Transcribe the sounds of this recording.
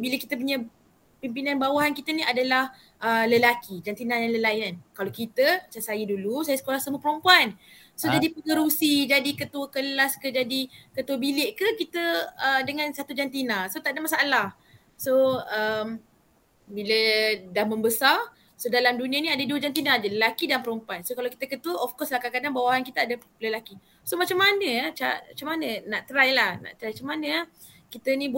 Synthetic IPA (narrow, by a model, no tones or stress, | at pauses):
biləkit̪əp̬uɲə̃ | pimpinãnbawaɦankit̪əniadalah | ʔələlakid͡ʒant̪inajaləlaɪnankalokit̪ət͡ʃasajədulusajasə̥kolahsəmupəɾompuan | sod͡ʒadipəŋəɾusid͡ʒadikət̪uəkəlaskəd͡ʒadikət̪uəbilɪʔkəkit̪əədəŋansat̪ud͡ʒant̪inasot̪aʔdamasaalah | soəm | bilədahməmbəsar | sodalamdunĩəniadəduwəd͡ʒant̪̬inad͡ʒələlakidanpəɾompansokalawki̥t̪əkət̪uəʔɔfkɔslakakadanbawaɦankit̪əadə | ləlaki | somat͡ʃamːanəjat͡ʃaʔat͡ʃamanənaʔt̪əɾajlahna̰ʔt̪ɾajt͡ʃamanəja | kit̪ənĩ